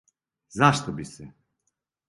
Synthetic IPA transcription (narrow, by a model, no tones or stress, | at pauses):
zaʃt̪obisɛ